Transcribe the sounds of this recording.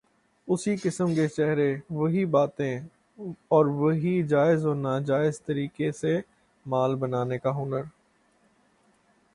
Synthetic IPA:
ʊsikɪsəmket͡ʃɛɦɾeʋɐɦibaːt̪ẽ | ɔːɾʋɐɦid͡ʒaːɪzoːnaːd͡ʒaːɪzt̪ɐɾiːkese | maːlbɐnaːnekaɦʊnəɾ

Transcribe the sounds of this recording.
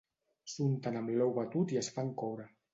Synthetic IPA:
sunt̪anamlɛwβat̪ut̪iəsfaŋkɔwɾə

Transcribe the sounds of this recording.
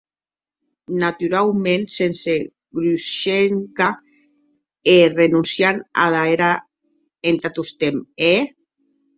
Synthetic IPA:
nat̪yɾalmẽnsense | ɡɾuʃeŋka | erenunsjana̰ðaeɾa | ent̪at̪ust̪eme

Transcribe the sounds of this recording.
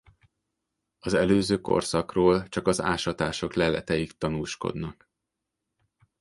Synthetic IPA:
ɒzɛløːzøːko̰rsɒkroːlt͡ʃɒkɒza̰ːʃɒt̪aːʃo̞klɛlɛ̰t̪ɛjikt̪ɒnuːʃko̞̰d̪nɒk

